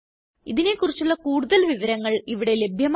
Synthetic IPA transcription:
iðine̞kːurit͡ɕːuɭːɐkuːɽuðɐlʋiʋɐɾɐŋːɐɭiʋiɽe̞le̞bʱjɐm

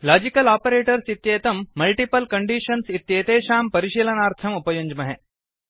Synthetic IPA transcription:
laːd͡ʒikɐlaːpɐɾeːʈɐɾsit̪jeːt̪ɐmːɐlʈipɐlkɐɳɖiːʃɐnsit̪jeːt̪eːʃaːmpɐɾiʃilɐnaːɾt̪ʰɐmupɐjuɲd͡ʒmɐɦe

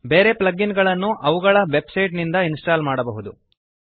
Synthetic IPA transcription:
be̞ːɾe̞plɐɡinɡɐɭɐnːuʔɐʋuɡɐɭɐʋe̞bsɐjʈnind̪ɐinsʈaːlmaːɽɐbɐɦud̪u

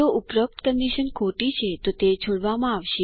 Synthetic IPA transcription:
oʔupɾəp̚t̪kənɖiʃənkʰoʈit͡ʃʰet̪ot̪et͡ʃʰoɽʋamãaʋʃe

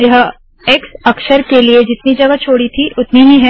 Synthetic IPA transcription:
jɐɦ | eːksɐkʃəɾkelied͡ʒɪt̪nid͡ʒɐɡat͡ʃʰoːɽit̪ʰiʔʊt̪nibʱĩɦɛ̃

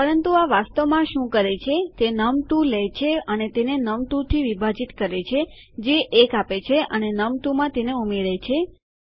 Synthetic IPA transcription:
pəɾənt̪uaʋast̪əʋmãʃũkəɾet͡ʃʰet̪enəmʈ̪ũlɛjt͡ʃʰeənet̪enenəmʈ̪ũt̪ʰiʋibʱad͡ʒit̪kəɾet͡ʃʰe | d͡ʒeʔekapet͡ʃʰeʔənenəmʈ̪umãt̪eneumeɭet͡ʃʰe

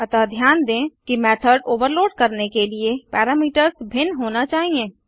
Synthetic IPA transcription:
ɐt̪ad̪ʱjaːnd̪ẽːkimɛːt̪ʰəɖoːʋəɾloːɖkɐɾnekeliepɛːɾaːmiːʈəɾsbʱɪnɦoːnat͡ʃaːɦiẽː

